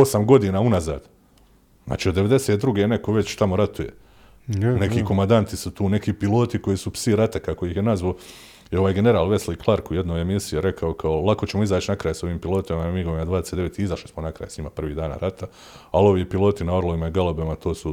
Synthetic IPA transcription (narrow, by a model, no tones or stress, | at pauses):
o̞samɡo̞d̪iːnaːunaza̰ːd̪ | zna̰ːt͡ʃiːod̪ːe̞ʋe̞d̪e̞seːt̪̚d̪ɾuɡeːne̞koʋe̞t͡ɕt̪amoɾat̪uje̞̰ | ne̞kiːkomand̪ant̪isut̪uːne̞kiːpilˠo̞ːt̪iko̞jisupsiɾat̪akakojixjenazʋaː | jeo̞ʋaːjɡe̞ne̞ɾaːlʋe̞sliklˠaɾkuje̞d̪noːjemisijeɾe̞kʰaokʰaolˠakot͡ɕemo̞izaːt͡ʃinakɾaːjso̞ʋiːmpilˠo̞ːt̪imamiɡoʋimad̪ʋaːd̪esetd̪eet̪iizaʃlismonakɾa̰ːjsɲiːmapr̩ʋiːd̪aːna̰ɾat̪ʰa | alo̞ʋiːpilˠo̞t̪inao̞ɾlˠoʋimaiɡalˠobemat̪ʰo̞ːsu